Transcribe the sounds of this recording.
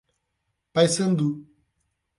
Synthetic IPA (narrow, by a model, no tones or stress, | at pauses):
pajsɐ̃nd̪u